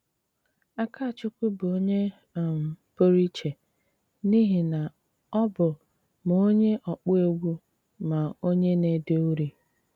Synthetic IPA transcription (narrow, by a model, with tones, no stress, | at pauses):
a˦ka˦˨t͡ʃʊ˦kʷu˦bʊ˨o˦ɲe˦˨ | m̩˨po˦ɾi˦t͡ʃe˨ | ni˦ɦi˨na˨ | ɔ˦bʊ˨ | m˨o˦ɲe˦ʔɔ˨k͡pɔ˦e˦ɡʷu˦ | ma˨o˦ɲe˦ne˨de˦u˦ɾi˨